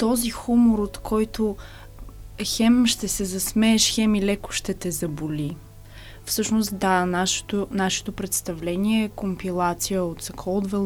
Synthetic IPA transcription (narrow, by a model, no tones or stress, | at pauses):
t̪ɔzixumoɾot̪kʰɔjt̪o | xɛmʃt̪ɛsɛzɐsmɛːʃxɛmilɛkʊ̥ʃt̪ɛt̪ɛzɐboli | fsɤʃnost̪d̪anaʃt̪onaʃɛ̥t̪opɾɛt̪st̪ɐvlɛniɛːkompilˠat̪sijəot̪sɐkʰɔlˠd̪vɛlˠ